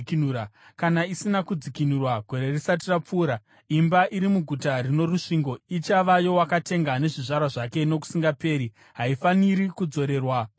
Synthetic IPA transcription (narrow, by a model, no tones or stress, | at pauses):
kinuːɾakanaisinakud͡zikinurwaɡʱo̞ɾe̞risat̬irap͡fuːɾa | imbaʔiɾimuɡʱutarino̞ruʂiŋɡo̞it͡ʃaʋajo̞wakate̞ŋɡane̞ʐiʐarwaʐake̞no̞ku̥siŋɡape̞ːɾi | ɦaifaniɾikud͡zo̞ɾe̞ːrwa